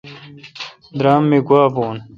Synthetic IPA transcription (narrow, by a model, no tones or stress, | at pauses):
d̪ɾaːmːeɡwaːboːn